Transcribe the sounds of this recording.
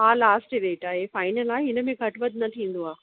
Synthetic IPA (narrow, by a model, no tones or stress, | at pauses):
ɦaːlaːsʈɾeːʈaːɦefaːɪnəlaːeɦɪnə̆mẽɡʱɐʈʋɐd̪̚ʱnɐt̪ʰĩːn̆d̪oaː